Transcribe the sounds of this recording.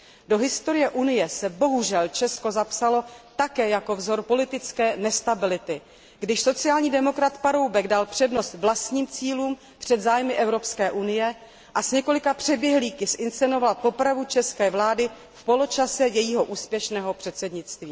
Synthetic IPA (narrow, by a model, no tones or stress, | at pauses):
do̞ɦɪst̪o̞ɾɪjɛʔunɪjɛsɛbo̞ɦuʒɛlt͡ʃɛsko̞zapsalo̞t̪akɛːjako̞vzo̞ɾpo̞lɪt̪ɪt͡skɛːnɛst̪abɪlɪt̪ɪ | ɡdɪʃso̞t͡sɪaːlɲiːdɛmo̞kɾat̪paɾo̞wbɛɡdalpr̥ɛdno̞st̪vlast̪ɲiːmt͡siːluːm | pr̝̥ɛd̪zaːjmɪʔɛvɾo̞pskɛːʔunɪjɛ | ʔasɲɛko̞lɪkapr̥ɛbjɛɦliːkɪsʔɪnst͡st͡sɛno̞valpo̞pɾavut͡ʃɛskɛːvlaːdɪ | fpo̞lo̞t͡ʃasɛjɛjiːɦo̞ʔuːspjɛʃnɛːɦo̞pr̥ɛt̪sɛdɲɪt͡st̪viː